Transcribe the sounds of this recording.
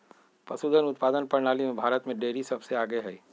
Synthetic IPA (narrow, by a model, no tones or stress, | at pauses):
pɐsuːd̪ənʊt̪̚paːd̪ənpɐɾnaːlimẽbʱaːɾət̪mẽɖeːɾisɐbseaːɡeɦɛː